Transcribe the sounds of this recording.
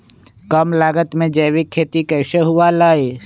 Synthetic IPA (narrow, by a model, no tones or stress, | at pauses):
kəmlaːɡət̪mẽd͡ʒəːwikʰːeːt̪ikɛɪseɦʊalaːeː